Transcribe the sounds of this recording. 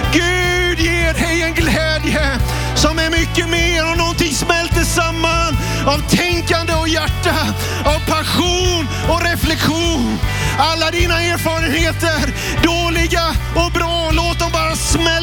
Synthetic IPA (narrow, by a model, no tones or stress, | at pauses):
ɡʉːd̪jeːɾhɛjɛnɡlɛːd̪jə | sɔmæɾmʏkːəmeːɾɔnɔnt̪ɪŋsmɛlt̪əsamːan | avt̪ʰɛŋkand̪əɔjæʈːa | avpʰaɧuːn | ɔɾɛflɛkɧuːnalːad̪iːnaeːɾfɑːɾənheːt̪əɾ | ɖoːlɪɡaɔbɾɑːloːt̪̚d̪ɔmbɑːɾasmɛl